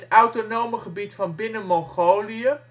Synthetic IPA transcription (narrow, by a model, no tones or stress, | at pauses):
tœwtonowməχəbitfɑnbɪnəmɔχowliə